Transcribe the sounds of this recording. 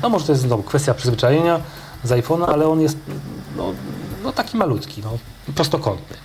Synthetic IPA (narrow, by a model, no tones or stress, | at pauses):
nɔmɔʐɛt̪ɔjɛs̬t̪nɔvukfɛst̪ʲjapʂɘzvɘt͡ʂajeɲa | zajfɔnaalɛɔnjɛst̪nɔ̰nɔt̪akʲimalut̪kʲinɔ | pɾɔst̪ɔkɔnt̪nɘ